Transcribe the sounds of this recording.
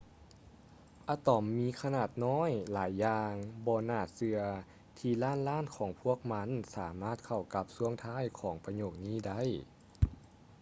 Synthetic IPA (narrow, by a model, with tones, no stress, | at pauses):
ʔa˧˩t̪ɔ˨˩˦mːiː˧˥kʰa˧naː˨˩t̪̚nɔː˧˥˨jlaː˨˦jːaː˧ŋbɔː˧naː˧˩sɯ˧ɐ | t̪ʰiː˧˩laː˥˨nlaː˥˨nkʰɔː˨˩˦ŋpʰu˧˥˩ək̚ma˧˥nsaː˩˦maː˧˥˩t̪̚kʰa˧˩wka˧˦˥p̚su˧˥əŋt̪ʰaː˧˥˨jkʰɔː˩˦ŋpa˧ɲoː˧˩k̚niː˧˥˨da˥˩˨j